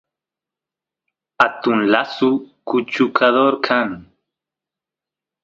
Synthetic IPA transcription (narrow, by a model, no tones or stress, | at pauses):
at̪unlasukut͡ʃukʰaðoɾkʰaŋ